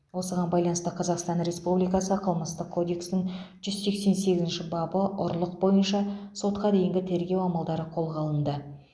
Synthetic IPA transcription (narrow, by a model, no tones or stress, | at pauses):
wo̞səʁɑnbɑjlˠɑnəst̪əqʰɑzɑqst̪ɑnɾe̞spublijkɑsəqʰəlˠməst̪əqkʰːo̞d̪e̞ksnɪŋʒ̥ʏz̥se̞kse̞nse̞ɡʲɪzɪnʃɪbɑbəʔʊ̰ɾlˠəq̚bo̞jənʃɑso̞t̪qɑd̪e̞jɪŋɡʲɪt̪ʰe̞ɾɡʲe̞wɑmɑlˠd̪ɑɾəqʰo̞lˠʁɑlˠənd̪ə